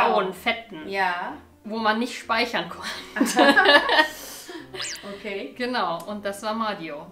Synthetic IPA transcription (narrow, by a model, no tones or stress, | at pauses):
aʊənfɛtn̩jaː | voːmanːɪçtʃpaɪçɐnkʰɔntə | okʰeːɡ̥ənaʊʔʊnt̚d̥asv̥aːɐmaːdio